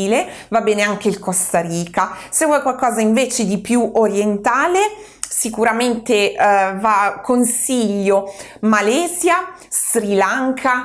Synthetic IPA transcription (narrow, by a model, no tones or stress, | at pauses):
le | vabːɛːneaŋk̟eilkost̪aɾiːka | sɛɡwakwalkɔːzaiɱveːt͡ʃed̪ipjuʔoɾjent̪aːle | sikuɾament̪evakːonsiʎːo | malɛːzja | st̪ɾilaŋkʰa